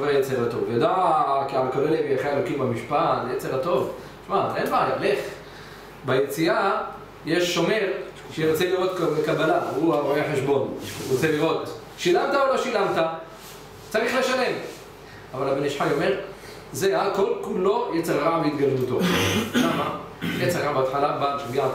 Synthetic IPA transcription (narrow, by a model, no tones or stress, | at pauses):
vajet͡seʁat̪o̰vjod̪aʕkialkoleleviaχeelokimbamiʃpat̪ejet͡seʁat̪o̞v | ʃmaʔenmajaleχ | bajet͡siʔa | jeʃːo̞meʁ | ʃeʁot͡seliʁot̪kkabalauaʁoeħeʃbo̞nʁt͡seliʁo̞t̪ | ʃilamt̪aolo̞ʃilamt̪a | t͡saʁiχleʃale̞m | avalabeniʃħajomeʁ | zeako̞lkulo̞jet͡seʁaʁaʕamit̪ɡalemut̪o̞ʃamajet͡seʁaaʕambeatħalabanʃebia